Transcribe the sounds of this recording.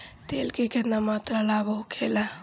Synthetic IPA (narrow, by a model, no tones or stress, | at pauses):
t̪elkikenamat̪ɾalabəɦukʰela